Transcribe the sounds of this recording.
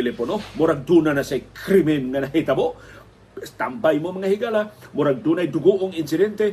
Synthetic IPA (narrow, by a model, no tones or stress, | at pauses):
eleponomoɾaɡ̚dunanasajkɾimɛnŋanait̪aboʔ | t̪ambajmomaŋahiɡalamoɾaɡ̚dunajduɡuʔoŋinsidɛnt̪e